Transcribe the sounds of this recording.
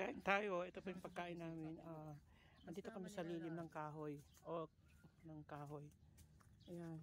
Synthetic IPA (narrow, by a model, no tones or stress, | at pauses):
ɐkaːʔɪnt̪aːjo̞ʔɛt̪opɐjʊŋpɐɡ̚kaːʔɪnːaːmɪnʔaː | hɐnd̪iːt̪o̞kɐmɛsɐliːlɪmnɐŋkaːɦoj | ʔo | nɐŋkaːɦo̞j | ʔɐjan